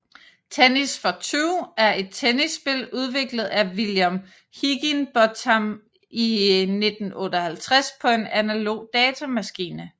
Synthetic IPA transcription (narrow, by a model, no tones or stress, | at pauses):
t͡sʰenisfɒt͡sʰyʊæɐe̝d̥̚t͡sʰenisːb̥e̝luð̞ˠʋe̝ɡ̥ləð̩ˠæʋiljom | hiɡ̥inb̥ɒt͡sʰɑm | ine̝d̥n̩ɔ̽ːɾəhælt͡sʰʁaspʰɒ̽e̝nænælo̝̰ːd̥ɛːt͡sʰæmæsɡ̥iːnə